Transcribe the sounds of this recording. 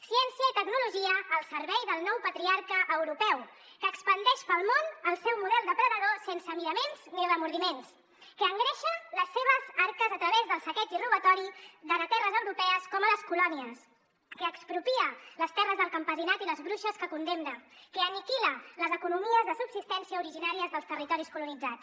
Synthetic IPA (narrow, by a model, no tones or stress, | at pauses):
siɛnsiəit̪əknuluʒiəːlˠsəɾβɛjðəlˠnɔwpət̪ɾiaɾkəʔːwɾupɛw | kəːkspənd̪ɛʃpəlˠmonəlˠsɛwmuðɛlˠd̪əpɾəðəðosensəmiləmenz̥niəβəmuɾðimens | kəːŋɡɾɛʃələsːeβəzaɾkəzət̪ɾəβezðəlˠsəkɛt̪iruβət̪ɔɾiðəɾət̪ɛrəzəwɾupɛəskɔmələskulɔniəs | kəːkspɾupiələst̪ɛrəzðəlˠkəmpəzinat̪iləzβɾuʃəskəkund̪emnəkəːnikilələzəkunumiəzðəsubsist̪ɛnsiəuɾiʒinaɾiəzðəlˠst̪ərit̪ɔɾiskulunid͡zat͡s